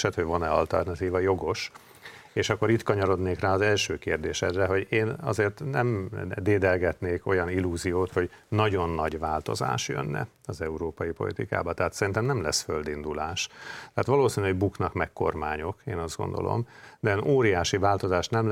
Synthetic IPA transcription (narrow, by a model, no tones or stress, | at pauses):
ʃɛt̪hoɟvonɛɒ̰lt̪ɛ̰rnɒt̪iːvɒjo̞ɡo̞ʃ | eːʃɒkːo̞ɾiːt̪kɒɲɒɾo̞d̪neːkraːɒzɛlʃøːkeːrd̪eːʃɛd̪rɛɦo̞ɟeːnɒ̰zeːrt̪nɛmd̪eːd̪ɛlɡɛt̪neːko̞jɒnilːuːzijoːt̪ho̞ɟnɒɟo̞nːɒɟʋaːlt̪o̞̰za̰ːʃjø̰nːɛ̰ | ɒzɛuɾoːpɒjipo̞̰lḭt̪ika̰ːbɒt̪ɛɦaːt̪sɛɾint̪ɛmnɛmlɛsføld̪ind̪ulaːʃtt̪ɛɦaːt̪ʋɒloːsiːnyɦoɟbuknɒkmɛkko̞̰rmaːɲo̞keːnɒzd̪ɡo̞̰nd̪o̞̰lʔo̰md̪ɛnoːɾijaːʃivaːlt̪o̞zaːʃnɛm